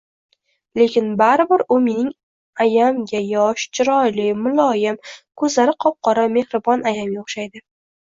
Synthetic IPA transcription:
le̞kʲɪnbaɾɪbɪɾʊme̞nɪŋ | ajamɡʲajɒʃt͡ʃʰɪɾɒjlɪmʊlˠɒjɪmkʰɵzlaɾɪqʰɒp̚qʰɒɾame̞hɾɪbɒnajamjoχʃajd̪ɪ

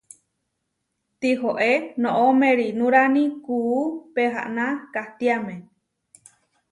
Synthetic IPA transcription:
t̪iɦoʔenõʔomẽɾinũɾanĩkuːpeɦa̰ʔnãkaht̪iamẽ

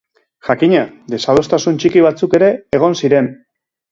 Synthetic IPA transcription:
ʝakiɲad̪e̞sað̞o̞st̪asunt͡ʃikiβ̞at͡suke̞ɾe̞ːɣ̞o̞nsiɾe̞n

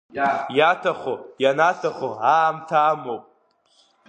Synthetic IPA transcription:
jatʰaχojanatʰaχoaːmtʰaːmopʼ

